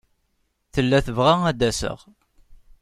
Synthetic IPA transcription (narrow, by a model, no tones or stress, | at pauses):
θəlːæθəvʁaæd̪æsə̰ʁ